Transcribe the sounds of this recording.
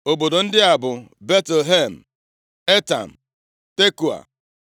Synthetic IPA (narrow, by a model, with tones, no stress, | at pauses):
o˨bo˨do˨n̩˦dɪ˦a˨bʊ˨be˦tɦe˦˨m̩˨ | e˦ta̰˨m̩˨ | te˦ku˨a̰˨